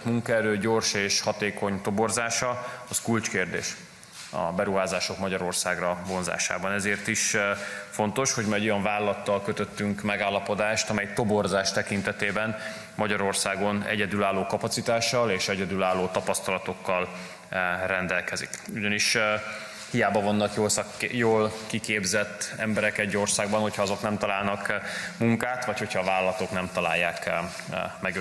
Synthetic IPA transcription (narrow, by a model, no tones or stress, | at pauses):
t̪muŋkɒɛɾøːɟo̞rʃeːʃhɒt̪eːko̞ɲt̪o̞bo̞rzaːʃɒɒskult͡ʃkeːrd̪ḛːʃ | ɒ̰bɛɾuɦaːzaːʃo̞kmɒɟɒɾo̞rsaːɡrɒvo̞nza̰ːʃa̰ːbɒnɛzeːrt̪iʃfo̞nt̪o̞ʃho̞ɟmaɛɟo̞jɒɱvaːlːɒt̪ːɒlkø̞t̪øt̪ːyŋkmɛɡaːlːɒpo̞d̪aːʃt̪ɒmɛjt̪o̞bo̞rzaːʃt̪ɛkint̪ɛt̪eːbɛn | mɒɟɒɾo̞rsaːɡo̞nɛ̰ɟɛd̪ylaːlːoːkɒpɒt̪sit̪aːʃːɒleːʃɛɟɛd̪ylaːlːoːt̪ɒpɒst̪ɒlɒt̪o̞kːɒl | rɛnd̪ɛlkɛzḭkuɟɒniʃ | hijaːbɒvonːɒkjoːlsjoːlkikeːbzɛt̪ːɛmbɛɾɛkɛɟːo̞rsaːɡ̚bɒnho̞cʰhɒɒzo̞knɛmt̪ɒlaːlnɒkmuŋkaːt̪ʋɒcho̞chɒːvaːlːɒt̪o̞knɛmt̪ɒla̰ːjːaːk | mɛɡ